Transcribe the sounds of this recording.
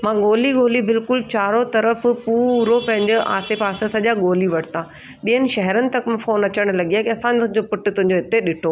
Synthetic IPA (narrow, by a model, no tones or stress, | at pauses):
mãːɠoːliɡoːlibɪlkʊlt͡ɕaːɾot̪ɐɾəfpuːɾopɐ̃ɦɪ̃ɲd͡ʑɪʔa̰ːsepaːsẽsɐʄaɠoːliʋɐʈt̪ãː | ɓijənɪ̆ʃɐɦɛɾənɪ̆t̪ɐkm̃foːnɐt͡ɕəɽ̃lɐɠiakiɐsãːnɪt̪ʊ̃ɦɪ̃ɲd͡ʑopʊʈʊt̪ʊ̃ɦɪ̃ɲd͡ʑoɦɪt̪eɗɪʈʰoː